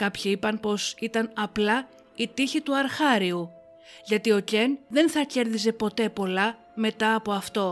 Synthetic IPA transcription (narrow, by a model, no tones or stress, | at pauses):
kɐpçiipɐnpo̞sit̪ɐnɐplɐ | it̪içit̪uɐɾxɐɾiu | ʝɐt̪io̞ce̞nðe̞nθɐce̞ɾðize̞po̞t̪e̞po̞lɐ | me̞t̪ɐːpo̞ɐft̪o̞